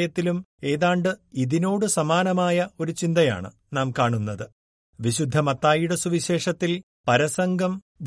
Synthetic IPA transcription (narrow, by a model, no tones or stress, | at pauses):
jɐt̪ːilume̞ːðaːɳɖɨiðino̞ːɽɨsɐmaːnɐmaːjɐo̞ɾut͡ɕind̪ɐja̰ːɳɨ̰ | naːmkaːɳunːɐðɨ | ʋiɕud̪ʱːɐmɐt̪ːaːjuɽɐsuʋiɕe̞ːʂɐt̪ːil | pɐɾɐsɐŋɡʱɐm | ʋ